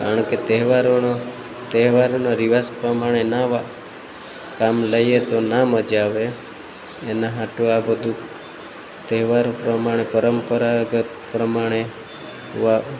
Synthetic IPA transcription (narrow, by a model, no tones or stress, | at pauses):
aəɳ̃ket̪eɦʋaɾono | t̪eɦʋaɾonaɾiʋaspɾəmaɽ̃enaʋa | kamləjet̪onaməd͡ʒaʋeː | naɦãʈoabəd̪ʱu | t̪eɦʋaɾopɾəmaɽ̃epəɾəmpəɾaɡət̪pɾəmaɽ̃e | ʋa